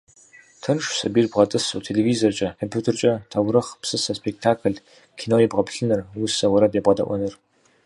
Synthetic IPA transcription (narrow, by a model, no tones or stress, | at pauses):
tʰɨnʂsɐbiːrbʁɐtʼɨsutʰeleviːzort͡ʃʼɐkʰompʰuːtʰɪrt͡ʃʼɐtʰawɾɨχpsɨsɐspʰek̚tʰaːkʰɨɮ | kʰiːnoːjibʁɐpɬɨnɨrwʊsɐwɔɾɐbeːbʁɐdɐ̰ʔʷɔnɨr